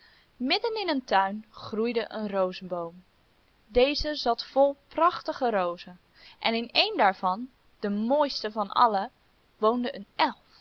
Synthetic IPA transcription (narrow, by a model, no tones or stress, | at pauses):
mɪdənɪnəntœɥnχrujdəʔənrowzəbowm | dejzəzɑtfɔlˠprɑχtəχərowzə | ʔɛnɪnejndaːɹvɑn | d̥əmoːjstəvɑnɑ̰lə | ʋowndəʔənɛlˠf